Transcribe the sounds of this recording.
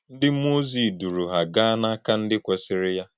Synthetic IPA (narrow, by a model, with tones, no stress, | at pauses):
n̩˦dɪ˦m̩˦o˦zi˨du˨ɾu˨ɦa˨ɡa˦na˦ka˦n̩˦dɪ˦kʷe˨sɪ˨ɾɪ˦ja˦